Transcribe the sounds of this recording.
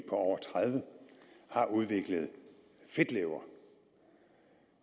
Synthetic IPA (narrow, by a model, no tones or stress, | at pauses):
pʰɒ̽ɒʊɐt͡sʰʁaðˠʋəhɑ̈ʔuð̞ˠʋe̝ɡ̥ləð̞̩ˠ | fe̝d̥leʊɐ